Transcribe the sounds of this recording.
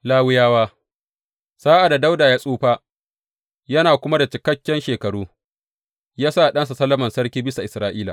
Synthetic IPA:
laː˦wɪ˦jaː˦waː˦ | saː˦ʔa˨da˨da˦wdaː˨jaː˦sʼuː˦ɸaː˦ | jɐ˦naː˨kʷʊ˦ma˦da˨t͡ʃɪ˨kɐ˦kʲːɛ˦nʃeː˨kɐ˨ɽuː˦ | jaː˦sa˦˨ɗɐ˦ns̬a˨sɐ˦lːɐ˦mɐ˨nsɐ˦ɽkʲiː˦bɪ˦sa˨ʔɪ˨sɾaː˦ʔiː˦la̰˨

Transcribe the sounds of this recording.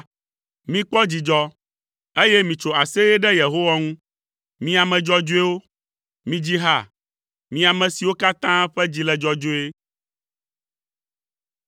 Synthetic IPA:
mĩ˦k͡pɔ˦d͡ʑi˨d͡ʒɔ˦ | e˦jɛ˦mĩ˨t͡ʃo˨a˨se˦jɛ˦ɖɛ˦je˨ɦo˦wa˦ŋũ˦ | mĩ˦a˨mɛ̃˨d͡ʒɔ˦d͡ʒo˦e˦wo˦ | mĩ˨d͡ʑi˦ɦa̰˦˨ | mĩ˨a˨mɛ̃˨si˨wo˦ka˦t̪ã˦ɸɛ˦d͡ʑi˦lɛ˨d͡ʒɔ˦d͡ʒo˦e˦

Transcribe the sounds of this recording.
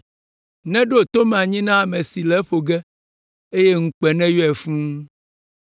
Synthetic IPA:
nɛ̃˦ɖo˦˨t̪o˦mɛ̃˨a˨ɲĩ˦nã˦a˨mɛ̃˨si˨lɛ˦ɸo˨ɡɛ˦ | e˦je˦ŋ̩˦k͡pɛ˨nɛ̃˦jɔ˦ɛ˨fũ˦

